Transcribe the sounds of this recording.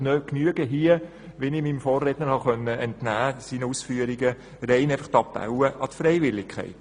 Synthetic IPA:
nøknyəɡəɦiə | ʋɛnɪmimfɔːrːeːtnəɾhɑχœnːəɛntnæːsiːnəusfyːəɾiɡə | ɾɛɪnæɪfəχt̪ɑpːa̰ʊwəʔɑt̪fɾɛɪʋɪlːɪkʰχɛ̰ɪt

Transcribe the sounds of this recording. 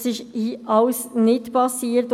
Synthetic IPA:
sɪʃiʔɑʊsnɪtpɑsiːəɾt

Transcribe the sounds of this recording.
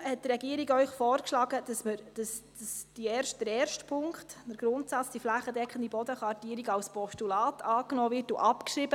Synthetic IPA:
hɛt̚tɾɛɡiəɾiɡœʏχfɔːɾkʃlɑːɡəd̥ɑsməɾd̥ɑsd̥əsd̥iɛːɾʃtd̥əɾɛːɾʃtpʰʊŋkχttəɾɡ̥ɾʊntsɑt͡sd̥iflæχədɛkʰəndibɔdəχʋɑrtiːɾiɡɑlspɔʃtulɑːtɑːknɔːvɪɾtʊʔɑpkʃɾibə

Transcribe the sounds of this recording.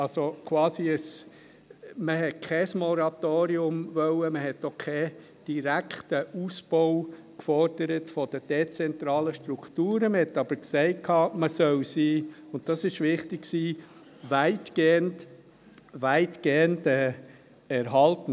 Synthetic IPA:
ɑlsokʰwɑːsiəs | məhɛtkʰɛsmɔɾɑtoːɾiʊmvœwəməɦɛtːokʰɛ | d̥iɾækʰtəʔusb̥ɔʊ | kfɔɾd̥əɾətfɔd̥əd̥et͡sɛnt̪ɾɑːləʃtɾukʰtuːɾəməhɛtːɑb̥əɾksɛɪt̚kʰːɑːməsœwsiːʊnt̚tɑsɪʃʋɪχtɪkksiː | ʋæɪtɡ̥eːənt | ʋæɪtɡ̥eːəndɛː | ɛɾɦɑltn̩

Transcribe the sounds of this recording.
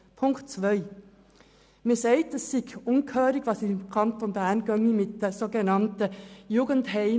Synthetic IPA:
pʰʊŋktt͡sʋœʏ | miːseɪt̚dɛsːɪçʊŋkʰøːɾɪɡvʋɑːsɪmkʰɑnt̪onbæɐnɡœŋəmɪt̚d̥eːsoːɡənɑntəjuːɡənthɛɪ

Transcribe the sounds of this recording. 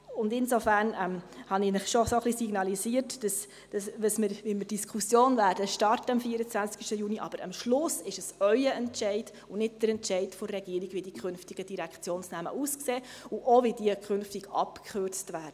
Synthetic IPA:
ʊndɪnsofæɾnɛmhɑnɪnɪχʃosoχlisiɡnɑlisiːəɾtd̥ɑs | d̥ɑsʋəsmɪɾʋiməd̥iskʰχusjoːnvæːɾdəʃtɑrtəəmfiəɾət͡sʋænt͡skʃtəjuniʔɑ̰b̥əɾəmʃlʊsɪʃəsœʏəɛntʃɛɪd | ʊnɪt̚d̥əɾɛntt͡ʃɛɪdfɔɾːɛɡ̥iːəɾiɡʋidikʰχønftiɡ̥əd̥iɾækχt͡sjoːnsnæmə̰ʔuskseːʊʔoʋidiəkχʏnftiɡ̥ɑ̰pkʰχørt͡stʋæːɾd̥ə

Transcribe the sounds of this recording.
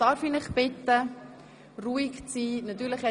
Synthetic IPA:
d̥ɑɾfinɪχb̥ɪtə | ruːikt͡siːnɑt̪yːɾləχhɛ

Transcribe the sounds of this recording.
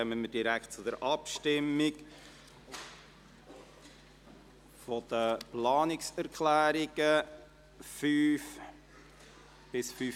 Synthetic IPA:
œməmədiɾækʰt̚t͡sʊd̥əɾʔɑpʃtɪmːɪɡ | fɔd̪̥əplɑːnɪksæɾkʰlæːɾɪɡ̥ə | fyːf | b̥ɪsfyː

